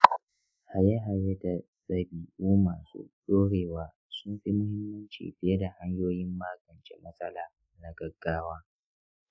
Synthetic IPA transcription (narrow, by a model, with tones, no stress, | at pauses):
ha˨ja˦ɦa˨je˦da˨sɐ˦biː˨ʔuː˦maː˨sṵ˦ɗoː˦ɽeː˨waː˨ | sʊ˦mɸi˦mʊ˦hɪ˦mːɐ˦nt͡ʃḭ˨ɸɪ˦jɐ˦da˨ha˦ɲjoː˦jɪ˦mːaː˦ɡɐ˨nt͡ʃḛ˦mɐ˦sʼɐ˦laː˨ | na˨ɡɐ˨ɡːaː˦waː˦